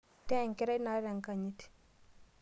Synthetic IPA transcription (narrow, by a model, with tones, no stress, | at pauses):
tɛ˦˨ŋki˦ɾa˦na˦ɾe˨ŋka˨ɲi˦ti̥